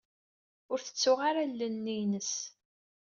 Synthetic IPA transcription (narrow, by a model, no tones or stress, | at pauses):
ʊɾθə̥t͡sːʊʁaɾalːənːinəs